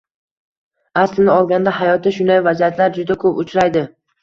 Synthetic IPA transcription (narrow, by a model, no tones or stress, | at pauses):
aslɪnɪɒlˠɡʲand̪aɦajɒt̪ɪʃʊnd̪ajvazijat̪ʰlaɾd͡ʒʊd̪akʰɵpʊt͡ʃʰɾajd̪ɪ